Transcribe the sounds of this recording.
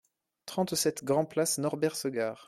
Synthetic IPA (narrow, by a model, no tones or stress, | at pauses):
t̪χɑ̃t̪sɛt̪ɡʁɑ̃plasnɔʁbɛʁsəɡaːʁ